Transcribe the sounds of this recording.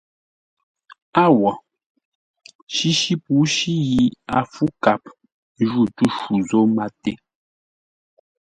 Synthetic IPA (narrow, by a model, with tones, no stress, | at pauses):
a˦˨wɔ˨ | ʃi˦ʃi˦pu˨˦ʃi˦ji˦a˨fu˦ka˨p̚ | n˦ʒu˦˨tu˦ʃu˨zo˦ma˦te˦